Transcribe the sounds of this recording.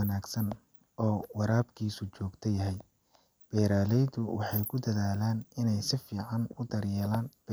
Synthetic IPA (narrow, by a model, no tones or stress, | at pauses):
naːɡsɐn | ɔːwɑɾaːbkʰiːsʊt͡ʃɔːɡt̪ʰɐjɐɦɛj | b̥ɛːɾaːlɛjd̪ʊwɑħɑjkʰʊd̪ɐðaːlaːnɪnɛjsɪfiːʕɑnʊd̪ɐrjɛːlaːnb̥